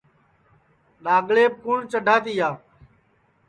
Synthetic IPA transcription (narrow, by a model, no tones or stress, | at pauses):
ɗaːɠɭeːp̚kuɳt͡ʃəɖʱaːt̪iːaː